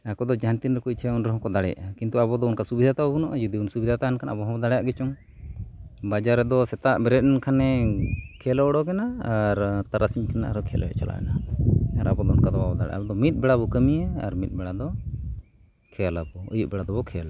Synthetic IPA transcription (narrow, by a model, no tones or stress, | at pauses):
akɔd̪ɔd͡ʒant̪inɾɛkuit͡ʃʰaunɾɔɦɔ̃kɔd̪aɽɛ̰jaʔakint̪uabɔd̪ɔɔnkasubid̪ʱat̪abɔbunɔʔd͡ʒud̪iunsubid̪ʱat̪aɛnkʰanabɔɦɔbɔd̪aɽɛjaʔɡɛt͡ʃɔŋ | bad͡ʒaɾːɛd̪ɔsɛt̪aʔbɛɾɛt̪̚ɛnkʰanɛkʰɛlɔɔɽɔkɛnaːɾt̪aɾʔasiɲkʰɛna̰ʔaɾɔkʰɛlʔɔ̰ɛ̰ʔt͡ʃa̰la̰ʔɛ̰naaɾʔa̰bɔd̪ɔɔnkad̪ɔbabɔd̪a̰ɽɛ̰ʔa̰bɔd̪ɔmit̪̚bɛɽabɔkəmiɛa̰ɾmit̪̚ˀbɛɽad̪ɔ | kʰɛjalabɔə̰juʔbɛɽad̪ɔbɔkʰɛjala